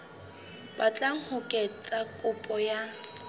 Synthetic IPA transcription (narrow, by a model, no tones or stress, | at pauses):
bat͡ɬʼaŋ̩hʊkʼɛt͡sʼakʼʊpʼɔja